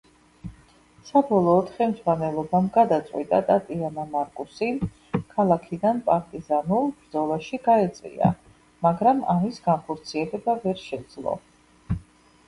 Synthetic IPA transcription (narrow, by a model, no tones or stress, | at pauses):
sabɔlˠɔːt̪χɛmd̪zwanɛlˠɔbamɡad̪at̪sʼwit̪ʼat̪ʼat̪ʼianamaɾkʼusi | kʰalˠakʰid̪anpʼaɾt̪ʼizanulˠbɾd̪zɔlˠaʃiɡaɛt̪sʼvḭa̰ | maɡɾamamisɡanχɔɾt̪sʰiɛlɛbavɛɾʃɛd̪zlˠɔ̰